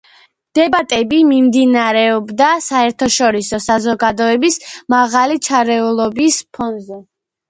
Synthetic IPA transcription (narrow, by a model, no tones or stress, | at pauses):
d̪̥ɛbat̪ʼɛbimimd̪inaɾɛɔbd̪asaɛɾt̪ʰɔʃɔɾisɔsazɔɡad̪ɔɛbismaʁalit͡ʃʰaɾɛulˠɔbispʰɔnzɛ